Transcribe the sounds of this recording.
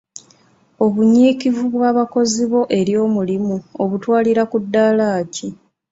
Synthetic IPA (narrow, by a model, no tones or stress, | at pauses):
o̞βuɲiːkivuβwaːβako̞ziβo̞ʔe̞ɾjo̞ːmulimuoβutwaːliɾakudːaːlaːci